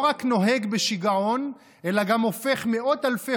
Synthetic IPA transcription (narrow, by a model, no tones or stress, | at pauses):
ʁakno̞ɦe̞ɡbe̞ʃiɡaʁo̞n | ʔelaɡamo̞fe̞χmeʔo̞t̪alfe